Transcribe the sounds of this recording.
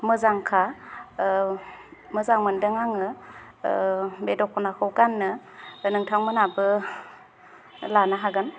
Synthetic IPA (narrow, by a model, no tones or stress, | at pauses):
mɯzaŋkʰa | mɯzaŋmɯndɯŋaŋɯ | bedɔkʰɔnakʰɯwɡanːɯnɯŋtʰaŋmɯnabɯ | lanaɦaɡan